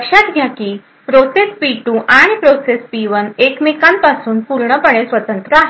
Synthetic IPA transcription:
kʂat̪ɡjakiː | pɾosespiʈuʔaɽ̃ipɾosespiʋənekmekampasuːnpuɾɳəpəɽ̃esʋət̪ənt̪ɾəaɦe

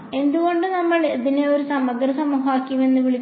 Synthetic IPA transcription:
e̞nd̪uɣo̞ɳɖɨnɐmːɐɭibineoɾusɐmɐd̪rɐsɐmuːɦɐaːkʲːume̞nːɨʋiɭikː

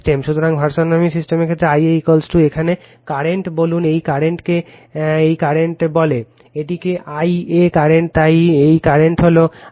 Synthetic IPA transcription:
ʈemʃut̪ʰoɾaŋbʱaɾʃonomisisʈemekʰet̪ɾeajeikolsʈuekʰane | kaɾeɳʈbolunejkaɾeɳʈke | ejkaɾeɳʈbɔle | eʈikeʔajekaɾeɳʈ̚t̪ajejkaɾeɳʈɦolo

